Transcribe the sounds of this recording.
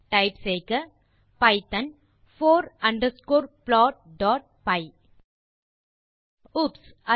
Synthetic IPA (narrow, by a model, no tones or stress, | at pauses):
ʈɐɪpseːkɐ | pɐɪt̪ɐn | foːɾɐɳɖɐskoːɾplɔːʈ̚ɖɔːʈ̚pɐɪ | ʊpsɐ